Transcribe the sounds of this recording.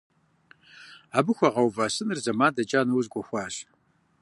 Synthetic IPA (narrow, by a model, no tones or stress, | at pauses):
aːbɨxʷɐʁɐwvaːsɨnɨrzɐmaːdɐd͡ʒaːnɐwzɡʷɔxʷɑːɕ